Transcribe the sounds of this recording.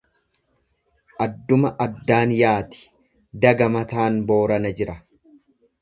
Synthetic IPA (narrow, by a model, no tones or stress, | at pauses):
ʔɐd̪ːʊmɐʔɐd̪ːaːnjaːt̪ɪ̥ | d̪ɐɡɐmɐt̪aːnbo̞ːɾɐnɐd͡ʒɪɾɐ